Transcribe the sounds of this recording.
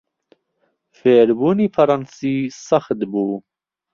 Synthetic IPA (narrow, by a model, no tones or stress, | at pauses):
feːɾbuːniːpʰɐɾɑnsiːsɑxd̪buː